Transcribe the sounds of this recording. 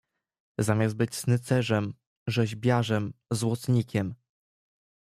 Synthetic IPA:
zamʲjast̪̚bɘt͡ɕsnɘt̪sɛʐɛm | ʐɛʑbʲjaʐɛmzwɔt̪sɲikʲɛm

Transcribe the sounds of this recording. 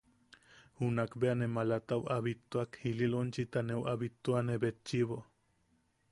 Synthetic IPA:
hunakbeanemalat̪awaβit̪ːuakhililont͡ʃit̪aneuwʔaβit̪ːuaneβet͡ʃːiβo

